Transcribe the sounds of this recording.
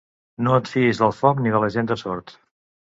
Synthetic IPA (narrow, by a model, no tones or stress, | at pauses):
noət̪fiizðəlˠfɔkniðələʒend̪əsɔɾt̪